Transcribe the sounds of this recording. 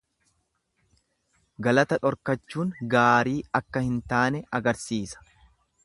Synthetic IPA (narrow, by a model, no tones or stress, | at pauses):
ɡɐlɐt̪ɐᶑɔɾkɐt͡ʃːuːŋɡaːɾiːɐkːɐhɪnt̪aːnɛɐɡɐɾsiːsɐ̥